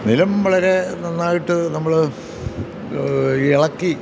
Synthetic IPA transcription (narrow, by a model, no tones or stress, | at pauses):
nilɐmʋɐɭɐɾe̞nɐnːaːjiʈːɨnɐmːɐɭ | iɭɐkːi